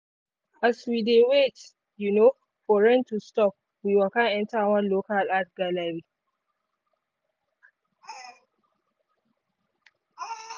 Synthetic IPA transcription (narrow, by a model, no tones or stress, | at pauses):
ʔaswidewet͡ʃ | juno | fɔɹɛntustɔp̚ | wiwɛlkãnʔɛntawɐ̃nlokalat̚ɡalaɾi